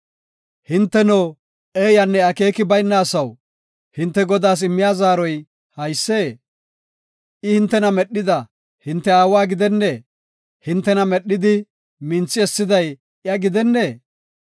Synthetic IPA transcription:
hɪnt̪ːɛnoː | eːjɐnːɛɐke̞ːkɪbɐjnːaːsɐw | hɪnt̪ːɛɡɔd̪aːs̬ɪmːɪjaːzaːɾɔj | hɐjsːeː | ʔɪhɪnt̪ːɛnɐmɛɗːɪd̪ɐ | hɪnt̪ːɛaːwaːɡɪd̪ɛnːe̞ː | hɪnt̪ːɛnɐmɛɗːɪd̪ɪ | mɪnt͡sːɪɛsːɪd̪ɐj | jɐɡɪd̪ɛnːeː

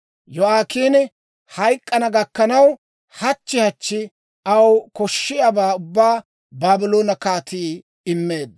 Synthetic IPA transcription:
jɔaːkiːn | hɐjkʼːɐnɐɡɐkːɐnɐw | hɐt͡ʃːɪhɐt͡ʃːɪ | ɐwkɔʃːɪjɐbaːʊbːaː | baːbɪloːnɐkaːt̪iː | ɪmːe̞ːd̪

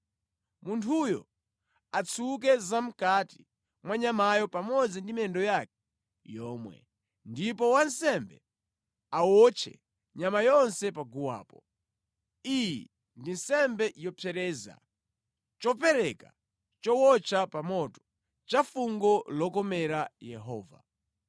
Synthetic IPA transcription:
muntʰujɔ̰ | at͡sʰuk̬ɛzam̩kati̥ | mwaɲamajɔpamɔd͡zindimɛndɔjakɛ̥ | jɔːmwɛ̰ | ndipɔwansɛmbɛ | awɔt͡ʃʰɛ̰ | ɲamajɔnsɛpaɡuwa̰ːpɔ | ijɛ̰ | ndinsɛmbɛjɔpʰjɛɾɛːza̰ | t͡ʃɔpɛɾɛka̰ | t͡ʃɔwɔt͡ʃʰapamɔtɔ̥ | t͡ʃafuŋɡɔlɔkɔmɛɾajɛɦɔ̰ːva̰

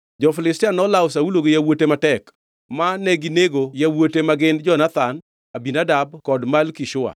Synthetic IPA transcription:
d͡ʒɔfɪlɪstɪanɔlawsauloɡejawotematɛk | manɛɡineɡojawotemaɡɪnd͡ʒɔnat̪an | abinadabkɔdmalkiʃʊa̰

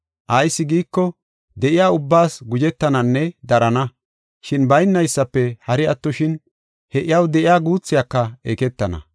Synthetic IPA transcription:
ʔɐjsːɪɡiːkːɔ | d̪ɛʔɪjaːʊbːaːsɡʊd͡ʒɛt̪ːɐnɐnːɛd̪ɐɾɐnɐ | ʃɪnbɐjnːɐjsːɐpːɛhɐɾɪɐt̪ːɔʃɪn | hɛʔɪjɐwd̪ɛʔɪjaːɡuːt͡sːɪjakːɐeːkɛt̪ːɐnɐ̰

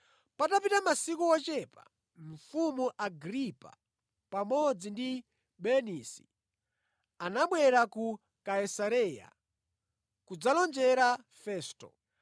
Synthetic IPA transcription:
patapitamasikuwɔt͡ʃɛpa̰ | ɱ̩fumuʔaɡɾipa̰ | pamɔd͡zindi | bɛnisi̥ | anaɓwɛɾaku | kaisaɾɛja̰ | kud͡zalɔnd͡ʒɛɾa | fɛːstɔ̰

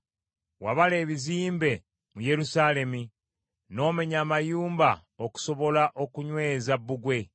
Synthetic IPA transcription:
waβale̞ːβiziːmbe̞ | muje̞ɾusaːle̞mi | no̞ːme̞ɲaːmajuːmba | o̞ku̥so̞βo̞laʔo̞kuɲwe̞ːzabːuɡwe̞

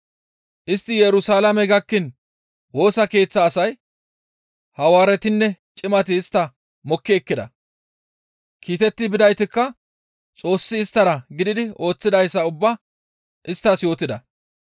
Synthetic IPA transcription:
ʔɪst̪ːɪjɛɾʊsaːlɐmɛɡɐkːɪn | wo̞ːsɐke̞ːt͡sːɐːsɐj | hɐwaːɾɛt̪ɪnːɛt͡ʃʼɪmɐt̪ɪːst̪ːɐ | mɔkːɪɛkːɪd̪ɐ̰ | kʰiːt̪ɛt̪ːɪbɪd̪ɐjt̪ɪkːɐ | t͡sʼo̞ːsːɪːst̪ːɐɾɐɡɪd̪ɪd̪ɪo̞ːt͡sːɪd̪ɐjsːɐʊbːɐ | ʔɪst̪ːɐsjo̞ːt̪ɪd̪ɐ̰

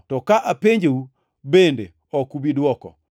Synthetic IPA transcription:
tɔkaʔapeɲd͡ʒeu | bende | ɔkubidwɔkɔ̰

